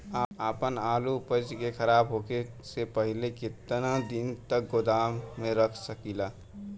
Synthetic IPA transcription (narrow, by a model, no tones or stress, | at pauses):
aaːpənaːlupət͡ʃkekʰəɾaːbɦoːke | sepəɦɪlekɪt̪nad̪int̪ək̚ɡod̪aːmmẽɾəkʰsəkilaː